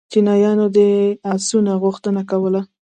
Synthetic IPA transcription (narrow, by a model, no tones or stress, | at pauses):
kɪnɑjɑnod̪əasunaɣʊxt̪ənakawəla